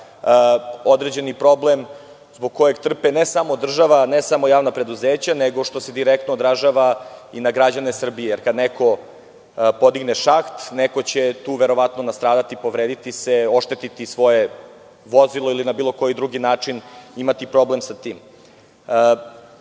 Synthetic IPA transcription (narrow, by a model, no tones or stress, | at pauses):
o̞d̪ɾed͡ʑe̞nipɾo̞blem | zboɡ̚ko̞jeɡt̪r̩penesamoːd̪r̩ʒaʋanesamojaːvnapɾe̞d̪uzeːt͡ɕaneɡo̞ʃt̪o̞sed̪iɾɛk̚t̪noːd̪ɾaʒaʋainaɡɾad͡ʑanesr̩bijejeɾkad̪neko̞ | po̞d̪iɡneʃaxt̪nekot͡ɕet̪uːʋeɾo̞ʋat̪nonast̪ɾaːd̪at̪ipo̞ʋɾeːd̪it̪iseo̞ʃt̪et̪it̪isʋo̞je | ʋo̞zilˠo̞ilinabiːlˠo̞ko̞jid̪ɾuɡinaːt͡ʂinimat̪ipɾo̞blemsat̪iːm